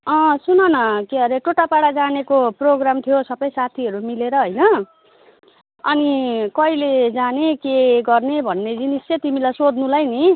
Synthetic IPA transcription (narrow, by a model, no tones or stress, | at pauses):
ʌ̃sunʌnʌkeɦʌɾeʈoʈapaɽad͡zanekoproɡramt̪ʰijosʌbʌjsat̪ʰiʌɾumileɾʌɦʌjnʌ | ʌ̰nikʌiled͡zanekeɡʌrnebʱʌnːed͡ziniset̪imilajsod̪nũlajni